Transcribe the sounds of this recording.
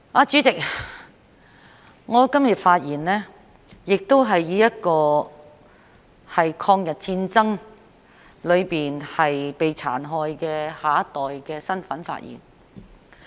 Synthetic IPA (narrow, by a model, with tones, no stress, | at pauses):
aː˧t͡ʃy˨˥t͡sɪ˨k̚ | ŋɔː˨˧kɐ˥mjɐ˨t̚faː˧t̚jiː˨˩nlɛː˥ | jɪ˨k̚t̪o˥wɦɐ˨jːiː˨˥jɐ˥t̚kɔː˧ | hɐ˨jkʰɔː˧ŋjɐ˨t̚t͡siː˧nt͡sɐ˥ŋ | lɵ˨˧ɥpiː˨nhɐ˨jpe˨jt͡sʰa̰ː˨˩nɦɔː˧jkɛː˧haː˨ɐ˥t̪ɔː˨jkɛː˧sɐ˥nfɐ˨˥nfa̰ː˧t̚jḭː˨˩n